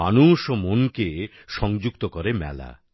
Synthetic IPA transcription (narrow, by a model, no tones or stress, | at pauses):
anuʃomonke | ʃɔŋd͡ʑuk̚t̪okɔɾemɛ̰la̰